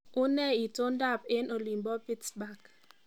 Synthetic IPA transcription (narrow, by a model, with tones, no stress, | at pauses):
ʊ˦nɛ˦˨i˨to˦nda˦˨pɪ˦no˨li˨mbɔ˦pi˦tsba˦˨k